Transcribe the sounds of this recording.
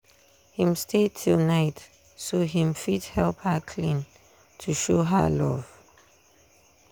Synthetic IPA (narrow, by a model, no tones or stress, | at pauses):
hĩmstʰetʰilˠnaɪt | soɦĩmfidhɛlˠphəkʰlĩn | tʰuʃoɦə̰lɔ̰v̥